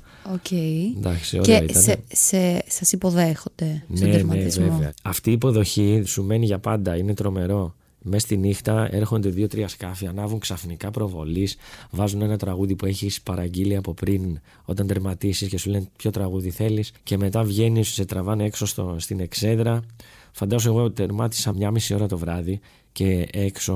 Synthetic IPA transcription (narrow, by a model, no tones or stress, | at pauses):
ocend̪ɐksio̰lɐit̪nsesɐsipo̞ðexod̪̥enenezveveɐɐft̪iːpo̞ðo̞çisume̞niʝɐpɐnd̪ɐine̞t̪ɾo̞me̞ɾo̞ | mest̪inixt̪ɐe̞ɾxo̞nd̪e̞ðiot̪ɾiɐskɐfiɐnɐvɾuŋksɐfnikɐpɾo̞vo̞̰lisvɐzune̞nɐt̪ɾɐɣuðipue̞çispɐɾɐɲɟiliɐpo̞pɾin | o̞t̪ɐnd̪eɾmɐt̪isisce̞sulenpço̞t̪ɾɐɣuðiθe̞lisce̞me̞t̪ɐvʝe̞nisset̪ɾɐvɐnee̞ksost̪ost̪ine̞kse̞nðɾɐ | fɐnd̪ɐzoe̞ɣo̞t̪e̞ɾmɐt̪i̥sɐmɲɐmisio̞ɾɐt̪o̞vɾɐði | ce̞ekso̞